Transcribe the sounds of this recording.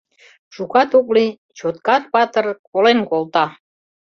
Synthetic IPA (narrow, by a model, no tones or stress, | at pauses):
ʃukɑt̪uk̬li | t͡ɕot̪̚kɑt̪̚pɑt̪ərkolenkolˠt̪ɑ